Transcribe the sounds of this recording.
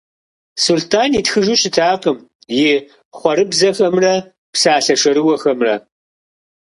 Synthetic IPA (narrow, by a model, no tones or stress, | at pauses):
sultʰaːnitxɨʒuɕɪtʰaːqəm | jɪ | χʷɔɾɨbzɐxɐmrɐ | psaːɬɐʂɐɾɨwɐxɐmrɐ̰